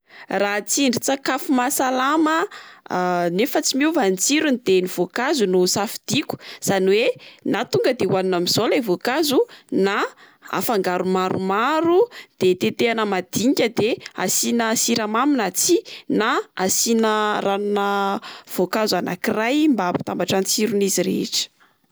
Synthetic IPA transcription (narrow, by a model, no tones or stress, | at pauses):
rat͡siɳɖ͡ʐit͡sakafumasalamə | nefət͡simuvant͡siɾunid̪eniv̥okazunusafid̪̥iku̥z̥aniwenat̪uŋɡəd̪ewaninamiz̥olajvokazuna | a̰faŋɡaɾumaɾʔumaɾud̪̥et̪et̪eanəmad̪iɲkʲəd̪ea̰sinəsiɾamaminat͡sinaasinəranunəv̥okazana̰kirajmbapi̥t̪ambaʈ͡ʂanit͡siɾuniziɾḛeʈ͡ʂə̥